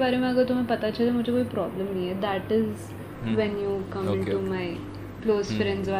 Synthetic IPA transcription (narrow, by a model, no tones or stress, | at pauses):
baɾeməɡət̪um̤ipət̪at͡ɕad̪eməd͡ʑekoipɾɔbləmnəjed̪æʈɪz | ʋɛ̃njukə̃mɪ̃ɳumaj | klozfɾẽɳɖzʋa